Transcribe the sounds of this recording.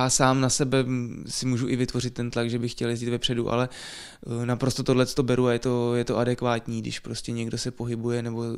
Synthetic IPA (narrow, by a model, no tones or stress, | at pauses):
jaːsaːmnasɛbɛsɪmuːʒuʔɪvɪt̪vo̞r̝ɪt̪ːɛnt̪laɡʒɛbɪxːcɛljɛziːt̪vɛpr̥ɛduʔa̰lɛ | napɾo̞st̪ot̪odlɛt͡st̪o̞bɛɾuajɛt̪o̞jɛt̪oʔadɛkvaːt̪ɲiːɡdɪ̰ʃpɾo̞scʲɛɲɛɡdo̞sɛpo̞ɦɪbujɛnɛbo̞